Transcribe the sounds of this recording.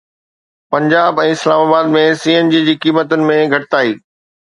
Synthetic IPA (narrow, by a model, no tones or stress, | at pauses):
pɐ̃ɲd͡ʑaːbɛ̃ːɪslaːmaːbaːd̪mẽsiːənd͡ʑiːd͡ʑiːkiːmət̪ʊnɪ̆mẽɡʱɐʈɪt̪aːiː